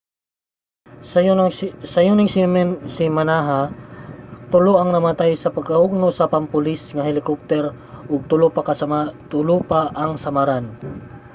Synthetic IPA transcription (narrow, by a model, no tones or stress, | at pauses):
sɐjunɪŋsɪmɛnsɪmanaɦa | t̪ʊloʔɐŋnɐmɐt̪ajsɐpɐɡaʔʊɡ̚nosɐpɐmpʊlisŋɐhɛlɪkop̚t̪ɛɾ | ʔʊɡ̚t̪ʊlopakɐsɐmat̪ʊlopaʔɐŋsɐmaɾan